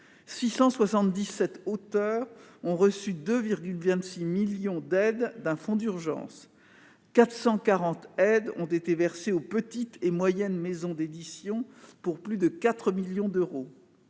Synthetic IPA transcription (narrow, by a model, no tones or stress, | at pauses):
sisɑ̃swasɑ̃t̪d̪isɛt̪ot̪œːʁɔ̃ʁəsyd̪øviʁɡʲylvɛ̃t̪similjɔ̃d̪ɛd̪ːɛ̃fɔ̃d̪yʁʒɑ̰̃s | kat̪χsɑ̃kaʁɑ̃t̪ɛd̪ɔ̃t̪et̪evɛʁseopət̪it̪ʰemwajɛnmezɔ̃d̪ed̪isjɔ̃puʁplyd̪əkat̪χəmiljɔ̃d̪øʁo